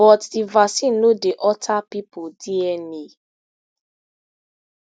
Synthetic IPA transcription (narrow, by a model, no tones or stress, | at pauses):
ɔtdivasin̩nodeʔɔtʰapipodiɛni